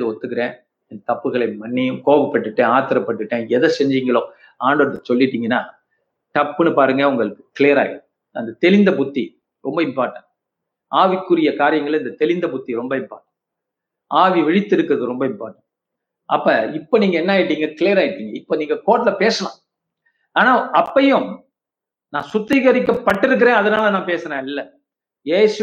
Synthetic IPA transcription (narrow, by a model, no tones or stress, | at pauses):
ðɯɔt̪ːɯk̬ːɪɾẽː | ɛnd̪ɐt̪ɐpːɯɣɐɭɐɪmɐnːɪjɯmkoːʋɐpːɐʈːɯʈːẽaːt̪ɪɾɐpːɐʈːɯʈːẽːɛðɐsɛɲd͡ʒɪŋɡɐɭõː | aːɳɖɔɾɐt̪ːɐsɔlːɪʈːiːŋɡɐnːaː | ʈɐpːɯnɯpaːɾɯŋɡɐʊŋɡɐɭɯkːɯ̥kɪleːɐɾa̰ːɣɪʈ | ɐnd̪ɐt̪ɛlɪnd̪ɐpʊt̪ːi | ɾɔmbɐɪmpaːɾʈːɐ̃ | aːʋɪkːɯɾɪjɐkaːɾɪjɐŋɡɐɭɪnd̪ɐt̪ɛlɪnd̪ɐbʊt̪ːiɾɔmbɐɪmpa̰ːʈːɐ̃ | aːʋiʋɛɻɪt̪ːɪɾɯkːɯɾɐðɯɾɔmbɐɪmpa̰ːʈːɐ̃ | ɐpːɐɪpːoniːŋɡɐɛnːaːjɪʈːiːŋɡɐkɪlijɐɾaːɣɪʈːiːŋɡɐɪpːoniːŋɡɐkoːʈːlɐpeːsɐlã̰ː | aːnaːʔɐpːɐjʊ̃ | nãːsʊt̪ːɪɣɐɾɪkːɐpːɐʈːɪɾɯk̬ːɪɾẽːɐðɐnaaːlɐnãːpeːsɐɾẽːɪlːɐ | jeːsɯ